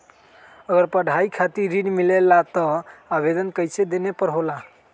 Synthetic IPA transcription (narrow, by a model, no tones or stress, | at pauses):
əɡəɾpəɽ̤ʱaikʰat̪iɾɾːinmilelːat̪əabed̪ənkəjsed̪enepəɾɦola